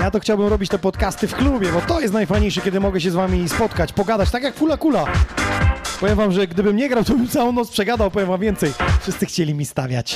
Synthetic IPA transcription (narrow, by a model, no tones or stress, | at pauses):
jat̪ɔxt͡ɕawbɘmɾɔbʲit͡ɕt̪ɛpɔt̪kast̪ɘfklubʲjɛbɔt̪ɔjɛst̪najfajɲejʂɛkʲɛd̪ɘmɔɡɛɕ̬ɛzvamʲispɔt̪kat͡ɕpɔɡad̪at͡ɕt̪akjakfulakula | pɔvʲjɛmvamʐɛɡd̪ɘbɘmɲɛɡɾawt̪ɔbɘmt̪sawɔ̃w̃nɔt̪spʂɛɡad̪awpɔvʲjɛmvamvʲjɛnt̪sɛjfʂɘst̪sɘxt͡ɕɛlʲimʲist̪avʲja̰t͡ɕ